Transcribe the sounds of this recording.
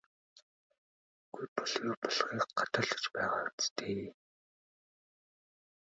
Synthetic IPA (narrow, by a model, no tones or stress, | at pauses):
ɡ̥ujpɔɮɣiːrpɔɮχiːkɢat̪ə̆ɮə̆t͡ɕpæːʁaːʊt͡st̪ʰeː